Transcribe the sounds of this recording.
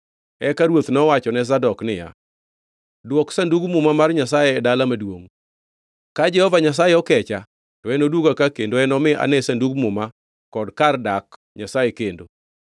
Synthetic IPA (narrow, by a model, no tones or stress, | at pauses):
ɛkaɾwot̪nɔwat͡ʃɔnɛs̬adɔknɪja̰ | dwɔksanduɡmʊmamarɲasajɛɛdalamadwoŋ | kad͡ʒɛhɔvaɲas̬ajɛɔkɛt͡ʃa | tɔɛnodwuɡakakendoɛnɔmɪʔa̰nɛsanduɡmʊma | kɔdkardak | ɲasajekendo